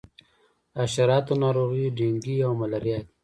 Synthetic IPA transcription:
aʃaɾɑːt̪onɑɾoɣiɖiŋɡiawmalaɾjɑːt̪

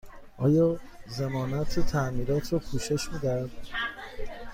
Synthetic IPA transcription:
ʔɒːjɒː | zemɒːnæt̪ʰet̪ʰæʔmiːɾɒːt̪ʰɾɒːpʰuːʃe̞ʃmid̪æd̪̥

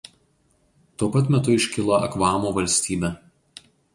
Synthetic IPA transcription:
t̪uɔpɐt̪mʲɛt̪ʊɪʃʲkʲɪlˠoːɐkʋɑːmoːʋɐlʲsʲt̪ʲiːbʲɛ

